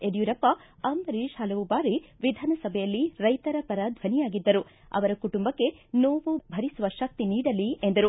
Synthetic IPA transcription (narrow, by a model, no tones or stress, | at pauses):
eɽijuɾɐpːɐ | ɐmbɐɾiʃhaːlɐʋubaːɾiʋid̪ʱaːnɐsɐbʱɛjɐlːiɾɐjt̪ɐɾɐpɐɾaːd̪ʱʋɐnijaːɡid̪ːɐɾu | ɐ̰ʋɐɾɐkuʈumbɐkːe̞noːʋubʱɐɾisuʋɐʃɐk̚t̪iniːɽɐlːie̞nd̪ɐɾu